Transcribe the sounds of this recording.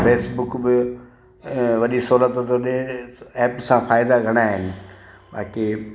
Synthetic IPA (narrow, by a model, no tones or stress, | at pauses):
peːsbʊkbɪ | ʋɐɗisoːlət̪t̪oɗẽɛːpsãfaːɪd̪aɡʱɐɽ̃aːɦɪnɪ̆ | ɓa̰ːki